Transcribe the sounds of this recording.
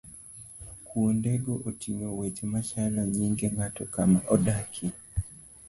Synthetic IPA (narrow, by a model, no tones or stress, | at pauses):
kuondeɡoʔotʰiŋowet͡ʃmat͡ʃalɔɲiŋɡeŋatɔkamaʔɔdakʰi